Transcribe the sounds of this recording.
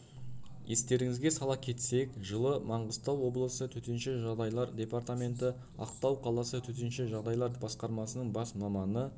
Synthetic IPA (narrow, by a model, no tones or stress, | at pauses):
je̞st̪e̞ɾɪŋɪzɡʲe̞sɑlˠɑp̚kʲʰe̞t̪se̞kʒəlˠəmɑɴʁəst̪ɑwːo̞blˠəsət̪ʰɵt̪e̞nʃeʒɑʁd̪ɑjlˠɑɾd̪ʲe̞paɾt̪amʲe̞nt̪̬ɪ | ɑ̰qt̪ɑwqʰɑlˠɑsət̪ʰɵt̪̬enʃeʒɑʁd̪ɑjlˠɑɾbɑsqɑɾmɑsənəɴbɑsmɑmɑnə